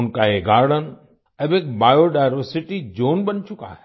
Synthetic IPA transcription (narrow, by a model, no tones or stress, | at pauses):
ʊnkaeɡaːɾɽən | ɐbek̚baːjoɖaːjɾʋəɾsɪʈid͡ʒoːnbɐnt͡ʃʊka̰ɦɛ̥